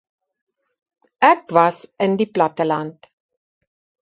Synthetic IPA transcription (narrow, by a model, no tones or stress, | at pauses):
ɛkvɐsəndiplɐtəlɐnt